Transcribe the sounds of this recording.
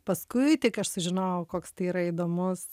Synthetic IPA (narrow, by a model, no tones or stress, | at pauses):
pɐskʊɪt̪ʲɪkɐʃsʊʒʲɪnɐʊkoːkst̪ɐɪiːɾɐid̪oːmʊs